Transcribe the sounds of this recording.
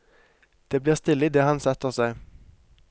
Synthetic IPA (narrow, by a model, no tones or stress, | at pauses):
d̪̥eːbliːʁst̪ɪlːɪd̪ɛɦansɛt̪ːəʁsæɪ